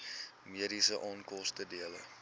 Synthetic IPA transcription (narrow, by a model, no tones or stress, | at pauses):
miəɾisəʔɑːnkɔstədiələ